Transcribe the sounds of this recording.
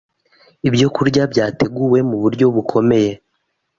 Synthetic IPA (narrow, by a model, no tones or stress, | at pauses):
ibjo̞kuɾɟabɟaːte̞ɡuwe̞muβuɾɟo̞βukʰo̞me̞je̞